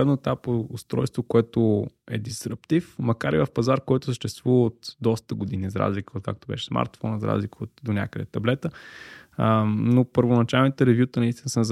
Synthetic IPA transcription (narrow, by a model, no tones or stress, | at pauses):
ɛnoɛt̪apoʊst̪ɾɔ̰jst̪vokoɛt̪oɛd̪isɾəpt̪ifmɐkaɾivəfpɐzaɾkɔjt̪ʊ̥səʃt̪ɛst̪vuvəot̪d̪ɔst̪əɡʊd̪inizɐɾa̰zlikəot̪̚ka̰k̚t̪obɛ̰ʃɛ̥sma̰ɾt̪fɔnəzɾa̰zlikəot̪d̪onʲa̰kəd̪ɛt̪ɐblɛt̪ə | nopəɾvonɐt͡ʃalˠnit̪əɾɛvʲjut̪ənɐist̪inəsənəz